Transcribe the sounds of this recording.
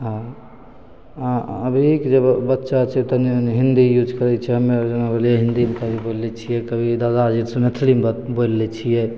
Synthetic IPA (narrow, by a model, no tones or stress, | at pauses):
ɦã | aəbʱikd͡ʒebbətːʃat͡ʃʰɛt̪ɔnɦind̪ijud͡ʒkəɾɛt͡ʃʰɛɦəmed͡ʒənabelijɛɦind̪imkəbʱibollɛt͡ʃʰijɛkəbʱid̪ad̪ad͡ʒiɾsə̃met̪ʰlimbolːɛt͡ʃʰijɛ